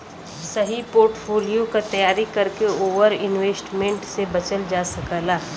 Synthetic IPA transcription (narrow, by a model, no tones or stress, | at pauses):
sɐɦipoːɾʈfʰoːlijokat̪ɐjaːɾikɐɾkeoːʋəɾɪnʋeːsʈmẽɳʈsebɐt͡ʃəld͡ʒaːsɐkəːlaː